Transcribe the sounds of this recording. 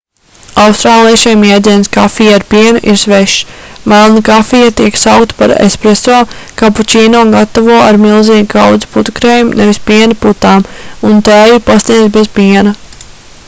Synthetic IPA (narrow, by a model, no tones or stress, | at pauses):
awst̪ɾaːlˠiʃajmjɛːd̪ziɛnskafijaɾpiɛnuʔiɾsʋeʃmalˠnikafijat̪iɛksawkt̪paɾḛspɾɛsoːkaput͡ʃʲiːnoːɡat̪avuɔaɾmilˠziːɡkʰawd̪zu̥put̪ukɾeːjumnɛvispiɛnaput̪aːmunt̪æːjipasniɛd̪zʲbez̥piɛnɐ